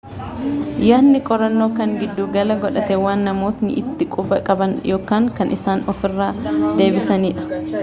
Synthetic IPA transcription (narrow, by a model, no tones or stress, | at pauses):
jaːnːɪkʼɔɾɐnːo̞ːkɐŋɡɪd̪ːuːɡɐlɐɡɔᶑɐt̪ɛwaːnːɐmo̞ːt̪nɪ̰ʔɪt̪ːɪkʼʊbɐkʼɐbɐnjo̞ːkaːŋkɐnʔɪsaːnɔfɪrːaːd̪e̞ːbɪsɐniːᶑɐ̥